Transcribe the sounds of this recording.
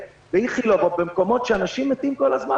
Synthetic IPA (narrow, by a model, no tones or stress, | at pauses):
veiχilovot̚bemko̞mo̞tʃeanaʃimːet̪imko̞lazma